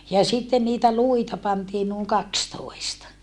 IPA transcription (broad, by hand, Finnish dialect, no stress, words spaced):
jɑ sitːen niːtæ luitɑ pɑntiː nuːŋ kɑkstoistɑ